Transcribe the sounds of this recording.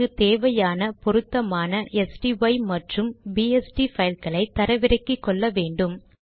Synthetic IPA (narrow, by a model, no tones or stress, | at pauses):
ɯt̪eːʋɐjaːnɐpɔɾɯt̪ːɐmaːnɐʔɛsʈiʋɐɪmɐʈrɯmbiɛsʈifɐjlkɐɭɐɪt̪ːɐɾɐʋɪɾɐkːikːɔɭːɐʋeːɳɖɯm